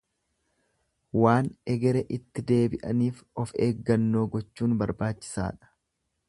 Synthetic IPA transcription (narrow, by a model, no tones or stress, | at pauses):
waːnɛɡɛɾɛʔɪt̪ːɪd̪e̞ːbɪʔɐniːfɔfeːɡːɐnːo̞ːɡɔt͡ʃːuːnbɐɾbaːt͡ʃːɪ̥sa̰ːᶑɐ̥